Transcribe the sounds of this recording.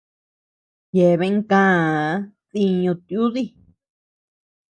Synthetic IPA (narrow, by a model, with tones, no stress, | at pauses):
je˨βe˧˦ŋkãː˦˧˦ | ði˧ɲũ˧t̪ju˦ði˦˨